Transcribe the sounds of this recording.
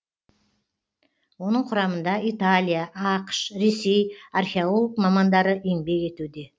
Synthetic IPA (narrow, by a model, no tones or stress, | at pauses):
wo̞nəɴqʰʊɾɑmənd̪ɑʔit̪alʲijaʔɑqə̥ʃɾe̞se̞jarxʲeolˠolˠəkmɑmɑnd̪ɑɾəʔembe̞ɡe̞t̪ud̪e̞